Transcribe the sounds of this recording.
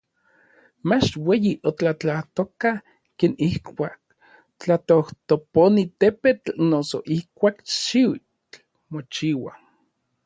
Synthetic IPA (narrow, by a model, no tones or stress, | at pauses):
mat͡ʃweːjiʔot͡ɬat͡ɬaht̪oka | keːnihkʷaːk̚ | t͡ɬat̪oht̪oponit̪epetnoso̰ʔihkʷaːkʃiwi | t͡ɬ | mot͡ʃiwa